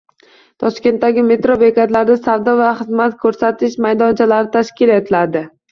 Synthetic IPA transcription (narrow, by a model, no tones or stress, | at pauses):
t̪ʰɒʃkʲe̞nt̪̚ːaɡʲɪme̞t̪ɾovekʲat̪laɾd̪asavd̪ɒvaχɨzmat̪kʰɵɾsat̪ʰɪʃmajd̪ɒnt͡ʃʰalaɾɪt̪ʰaʃkʲɪlet̪ʰɪlad̪ɪ